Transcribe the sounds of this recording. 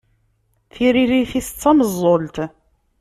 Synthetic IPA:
θiɾiɾiθist͡sːɑməzˤːolt̪

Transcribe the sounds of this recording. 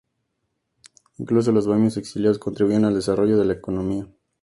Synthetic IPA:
iŋklus̬o̞lo̞zβaɲo̞se̞ksiljaðoskont̪ɾiβuianald̪e̞saro̞ʝo̞ð̞e̞laeko̞nõ̞mia

